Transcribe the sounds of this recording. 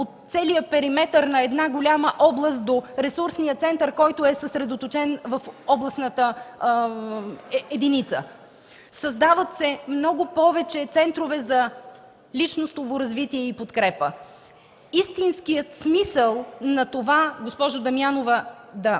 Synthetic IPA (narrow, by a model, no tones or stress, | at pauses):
ot̪t̪ːsɛlijəpɛɾimɛt̪əɾnɐɛd̪naɡolʲaməʔɔblˠəst̪̚d̪oɾɛsuɾsnijət̪sɛnt̪əɾkɔjt̪ʊɛsəsɾɛd̪ot̪ot͡ʃɛnvɐfɔblˠɐsnət̪ə | ɛd̪init̪sə̰ | sɐzd̪avət̪sɛmnɔɡʊpɔvɛt͡ʃɛt̪sɛnt̪ɾovɛzɐ | lit͡ʃnost̪ovoɾɐzvit̪iɛipot̪kɾɛpə | ist̪inskijət̪smisəlˠnɐt̪ovaɡospɔʒʊd̪ɐmianovəd̪ɐ